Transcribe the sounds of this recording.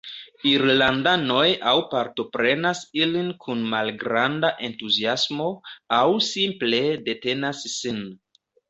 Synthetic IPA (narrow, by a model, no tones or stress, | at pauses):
iɾlandano̞jawpaɾto̞pɾe̞nasilinkʰunmalɡɾandaʔe̞ntuziasmo̞awsimple̞de̞te̞nasːin